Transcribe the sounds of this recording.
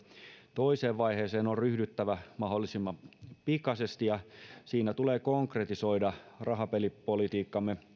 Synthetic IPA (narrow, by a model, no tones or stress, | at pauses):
t̪o̞iseːʋʋɑjɦe̞ːseːnorryhdyt̪ːæʋæmɑɦolːˑisimːɑmpikɑsest̪ijɑsiːnæt̪uleːkoŋkret̪iso̞jdɑrɑɦɑpelippolit̪iːkːɑmːe